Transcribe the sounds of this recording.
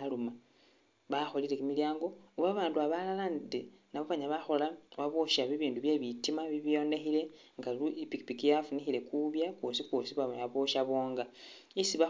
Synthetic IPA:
luma | βaxo̞lile̞kumiljaːŋɡo̞uβaβaːnduaβalalande | naβoβaɲaβaxo̞laβaβoʃaβiβiːnduβje̞βitimaβiβijo̞nde̞xile̞ | ŋɡaluipiki̥pikijafunixile̞kuβjakwosikwosiβameaβoʃaβoːŋɡa | isiβa

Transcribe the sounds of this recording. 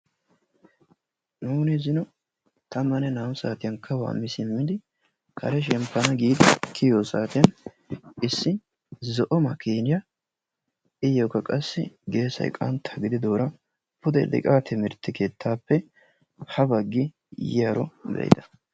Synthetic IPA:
nuːnɪzɪnɔ | t̪ɐmːɐnɛnaːmsaːt̪ɪjɐnkʰːɐwa̰ːmːɪsɪmːɪd̪ɪ | kʰɐɾɛʃ̬ɛmpːɐnɐɡiːd̪ɪkʰɪjoːsaːt̪ɪjɐn | ɪsːɪ | zɔʔɔmɐkiːnɪjɐ | ɪjɔkːɐkʼɐsːɪɡe̞ːsɐ̰jkʼɐ̰nt̪ɐɡɪd̪ɪd̪o̞ːɾɐ | pʊd̪ɛd̪ɪ̰kʼaːt̪ʰɪmɪɾt̪ːɛke̞ːt̪ʰːaːpːɛ | hɐbɐɡːɪ | jɪjaɾɔ̰bɛ̰jd̪ɐ̥

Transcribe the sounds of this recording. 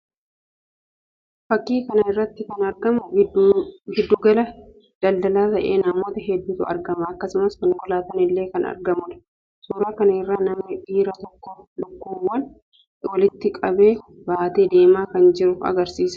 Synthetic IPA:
fɐkːiːkɐnɐɪrːɐt̪ːɪkɐnɐɾɡɐmʊ | hɛd̪ːʊɡɐlɐ | d̪̥ɐld̪ɐlaːt̪ɐʔḛːnɐmo̞ːt̪ɐɦɛd̪ːʊːt̪ʊɐ̰ɾɡɐmɐɐkːɐsʊmɐskɐŋɡɔlaːt̪ɐnɪlːe̞ːkɐnɐ̰ɾɡɐmʊᶑ̪ɐ̥ | suːɾaːkɐnɐɪrːaːnɐmnɪʔiːɾɐt̪ɔkːɔlʊkːuːwːɐn | wɐlɪt̪ːɪkʼɐbe̞ː | baːt̪eːd̪e̞ːmaːkɐnd͡ʒɪɾʊfɐ̰ɡɐɾsiːsɐ̥

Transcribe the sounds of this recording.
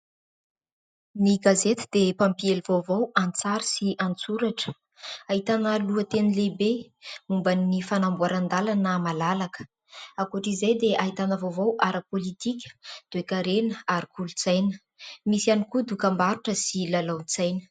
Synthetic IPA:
niɡazet̪i̥d̪̥epampielivovowant͡saɾisiʔant͡suɾaʈ͡ʂə̥ | aɦit̪anəluət̪enilebe | mumbanːifanambuaɾand̪alanəmalalakə̥ | akuʈ͡ʂizajd̪eʔaɦit̪anəvovawʔaɾəpolit̪ikʲə̥d̪̥uekaɾenəaɾikʰulut͡sajnə | misianikud̪ukambaɾuʈ͡ʂəsilalawnt͡sajnə̥

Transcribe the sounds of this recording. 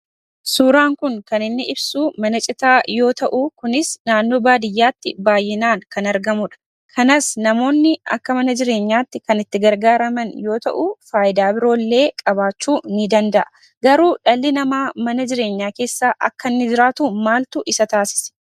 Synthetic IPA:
suːɾaːŋkʊŋkɐnɪnːɪʔɪbsuːmɐnɐt͡ʃʼɪt̪aːjo̞ːt̪ɐʔukʊnɪsnaːnːo̞ːbaːd̪ɪjːaːt̪ːɪbaːjːɪnaːŋkɐnɐɾɡɐmʊᶑɐ̥ | kʰɐnasnɐmo̞ːnːɪɐ̰kːɐmɐnɐd͡ʒɪɾe̞ːɲːaːt̪ːɪkɐnɪt̪ːɪɡɐɾɡaːɾɐmɐnjo̞ːt̪ɐ̰ʔufaːʔɪd̪aːbɪɾo̞ːlːe̞ːkʼɐbaːt͡ʃːuːnɪd̪ɐnd̪ɐʔɐ | ɡɐɾuːᶑɐlːɪnɐmaːmɐnɐd͡ʒɪɾe̞ːɲːaːke̞ːsːaːʔɐ̰kːɐnːɪd͡ʒɪɾaːt̪uːmaːlt̪ʊʔɪsɐt̪aːsɪ̥sɛ̥

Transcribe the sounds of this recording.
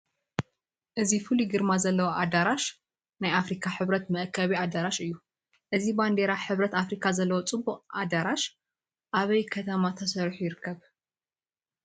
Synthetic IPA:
ʔɨzifɨliɡɨɾmazɐlːɐwoʔad̪aɾaʃ | najafɾikʰaħɨβɾɐt̪mɨʔkʰːɐβiad̪aɾaʃɨjːu | ʔɨziband̪eɾaħɨβɾɐt̪afɾikʰazɐlːɐwot͡sʼɨbːuqʼad̪aɾaʃ | ʔaβɐjkʰɐt̪ʰɐmat̪ʰɐsɐɾħujɪɾɨkʰːɐβ

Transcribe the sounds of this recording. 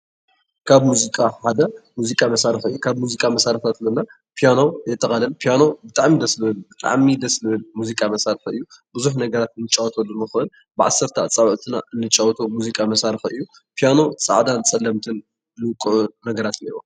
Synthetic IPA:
kʰaβmuzikʼaħad̪ɐmuzikʼamɐsaɾɨxɨ̰jːukʰaβmuzikʼamɐsaɾɐft̪ʰat̪zɐnːa | pʰijanowjɛt̪ʼːɐχʼɐlɐnpʰijanobɨt̪ʼaʕmid̪ɐslɨbɨlbɨt̪ʼa̰ʕmid̪ɐslɨβɨlmuzikʼamɐsaɾɨxɨ̰jːubɨzuħnɐɡɐɾat̪ɨnːɨt͡ʃʼawɔt̪ʰɐlːunɨxɨʔɨn | bɨʕa̰sːɐɾt̪ʰɐt͡sʼɐβʕt̪ʰɨna̰ʔɨnːɨt͡ʃʼawɔt̪ʰomuzikʼamɐsaɾɨxɨjːu | pʰijano̞t͡sʼa̰ʕd̪ant͡sʼɐlːɐmt̪ʰɨn | nɨwkʼuʕunɐɡɐɾat̪niwo

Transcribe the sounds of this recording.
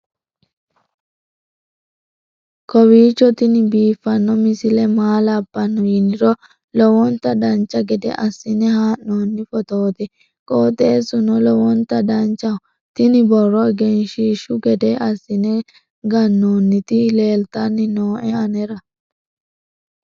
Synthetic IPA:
kɔwiːt͡ʃːɔt̪ɪnɪbiːfːɐnːɔmɪsɪlɛmaːlɐbːɐnːɔjɪnɪɾɔ | lɔwɔnt̪ːɐd̪ɐnt͡ʃːɐɡɛd̪ɛ̰ʔɐsːɪnɛhaːʔːoːnːɪfɔt̪oːt̪ɪ | kʼoːt̪ʼeːsʊnɔlɔwɔnt̪ɐd̪ɐnt͡ʃːɐ | t̪ɪnɪbɔrːɔɡɛnʃiːʃʊɡɛd̪ɛʔɐsːɪnɛ | ɡɐnːoːnːɪt̪ɪle̞ːlt̪ɐnːɪnoːʔɛɐnɛɾɐ

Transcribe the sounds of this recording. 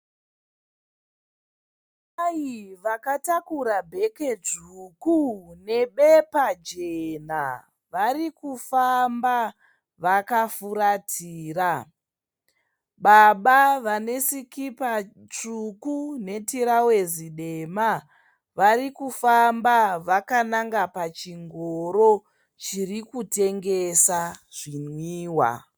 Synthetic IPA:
aiʋakatakuɾabʱe̞ke̞t͡ʂukune̞ɓepad͡ʒen̤a̰ | ʋarikufamba | ʋakafuɾatʰiːra | ɓaɓaʋane̞sikipa | t͡ʂukune̞tiɾawe̞ziɗe̞ma | ʋarikufambaʋakanaŋɡapat͡ʃiŋɡoɾo̞ | t͡ʃirikute̞ŋɡe̞saʐ̥inwiːwa̰

